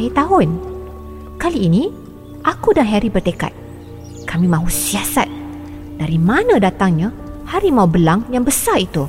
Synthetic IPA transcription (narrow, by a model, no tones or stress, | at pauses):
it̪aɦʊn | kaliːnĩ | ʔakudanɦɛɾibərt̪eka̰t̪̚ | kamĩmãɦusiasa̰t̪̚ | d̥aɾimãnãdat̪aŋɲã | haɾimaubəlaŋjaŋbəsarit̪u